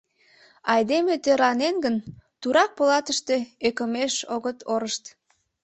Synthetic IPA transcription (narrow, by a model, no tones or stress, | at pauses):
ɑjd̪emet̪øɾɑnenɡənt̪uɾɑk̚polɑt̪əʃt̪eekə̆meʃoɣət̪ʰoɾəʃt̪